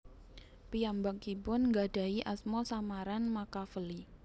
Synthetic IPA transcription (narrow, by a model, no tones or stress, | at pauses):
piambakibʊnŋɡaɖ̥a̤iʔasmɔsamaɾanmakafəli